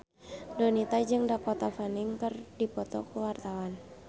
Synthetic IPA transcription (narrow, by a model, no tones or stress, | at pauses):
dɔnit̪ad͡ʒɨŋdakɔt̪afaniŋkərdipɔt̪ɔ̰kuwart̪awan